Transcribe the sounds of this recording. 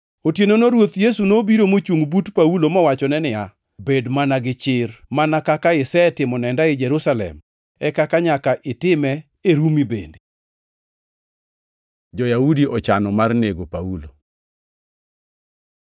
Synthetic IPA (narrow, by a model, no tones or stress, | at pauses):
otjenonoɾwot̪jesunobiɾomot͡ʃuŋɡbutpaulomɔwat͡ʃɔnɛnɪja | bedmanaɡɪt͡ʃɪrmanakakaɪsɛtɪmɔnɛndaɪd͡ʒɛɾusalɛ̰m | ɛkakaɲakaʔɪtɪmɛ | eɾumibḛnde | d͡ʒɔjaudiʔɔt͡ʃanɔmarneɡopaulo